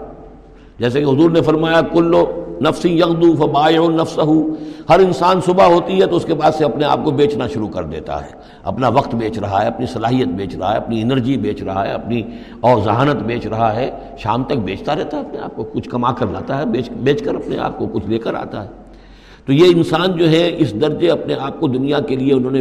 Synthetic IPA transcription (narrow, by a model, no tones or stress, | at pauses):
d͡ʒɛːsekeɦʊzuːɾnefɐɾmaːjakʊlːonɐfsĩjɐɣd̪ufɐbaːɪʊnɐfsɐɦuhɐɾɪnsaːnsʊbaɦoːt̪iɦɛt̪oʊskebaːd̪seɐpnea̰ːp̚kobeːt͡ʃnaʃʊɾukɐɾd̪ḛːt̪a̰ɦɛ̰ː | ɐ̰pnaʋɐqt̪beːt͡ʃɾɐɦaɦɛɐpnisɐlaːɦijət̪̚beːt͡ʃɾɐɦa̰ɦɛ̰ːɐpniɪnəɾd͡ʒibeːt͡ʃɾɐɦaɦɛ̰ɐpni | ɔːɾzɐɦaːnət̪beːt͡ʃɾɐɦaɦɛː | ʃa̰ːmt̪ɐk̚beːt͡ʃt̪aɾɛɦt̪aɦɛɐpnea̰ːp̚kokʊt͡ʃʰkɐmaːkəɾla̰ːt̪aɦɛbeːt͡ʃbeːt͡ʃkəɾɐpnḛa̰ːp̚kokʊt͡ʃʰleːkəɾa̰ːt̪a̰ɦɛː | t̪ojeɪnsaːnd͡ʒoːɦɛɪsd̪ɐɾd͡ʒeɐpneaːp̚kod̪ʊnijakelieʊnɦõːne